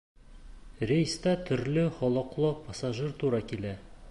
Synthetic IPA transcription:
rʲejst̪ɑt̪ʰʏɾlɪχɒlˠɤ̆qlˠɤpʰasaʒɨɾt̪ʰuɾɑkʲilæ

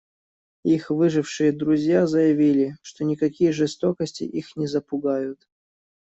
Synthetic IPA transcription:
ixvɨʐɨfʂɨjəd̪ɾʊzʲjazəjɪvʲilʲɪʂt̪onʲɪkɐkʲijəʐɨst̪o̞kəsʲtʲɪ̰ʔixnʲɪzəpʊɡajʊt̪

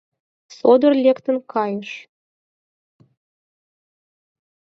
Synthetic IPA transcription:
sod̪ə̆rlʲekt̪ənkʰɑjəʃ

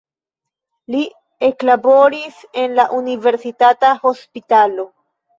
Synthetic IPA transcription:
li | eklabo̞ɾise̞nlaʔunive̞ɾsitataho̞spitalo̞

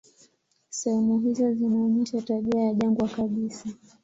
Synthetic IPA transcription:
sɛhɛmuɦizɔzinaɔɲɛʃataɓiajaʄaŋɡwakaɓisa

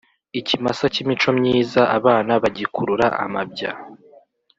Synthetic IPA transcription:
icimasacimit͡ʃo̞mɲiːzaʔaβaːnaβaɟikuɾuɾa̰ʔa̰mab̚ɟa̰

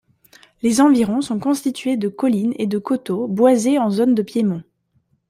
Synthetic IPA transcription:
lezɑ̃viʁɔ̃sɔ̃kɔ̃st̪it̪ɥed̪əkɔlined̪əkɔt̪obwazeɑ̃zond̪əpjemɔ̃

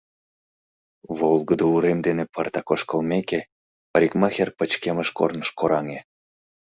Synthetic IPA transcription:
βolɣəd̪ouɾemd̪enepərt̪ɑkoʃkəlmeke | pəɾʲikmɑxerpət͡ɕkeməʃko̰rnəʃkoɾɑŋe

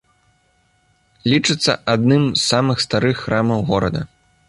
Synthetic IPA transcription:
lʲit͡ʂɨt̪sːɐ̰ʔad̪̚nɨmzsːamɨxst̪aɾɨxːramɐwɣɔɾɐ̰d̪ɐ̰

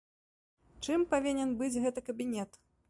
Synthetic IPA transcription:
t͡ʂɨmpavʲinʲɛnbɨd͡zʲɣɛt̪ɨkɐbʲinʲɛt̪

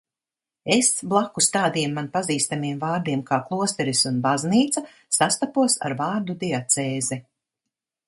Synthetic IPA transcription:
esblˠakːust̪aːd̪iɛmːanpaziːst̪amiɛmvaːɾd̪iɛmkaːklˠuɔst̪ɛɾisunbazniːt̪sa | sast̪apuɔsa̰ɾvaːɾd̪ud̪iat̪sɛːzɛ

